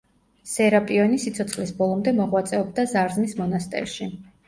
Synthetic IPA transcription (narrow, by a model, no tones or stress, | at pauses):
sɛɾapʼiɔnisit̪sʰɔt̪sʰχlisbɔlˠɔmd̪ɛmɔʁwat̪sʼɛɔb̚d̪azaɾzmismɔnast̪ʼɛ̰ɾʃi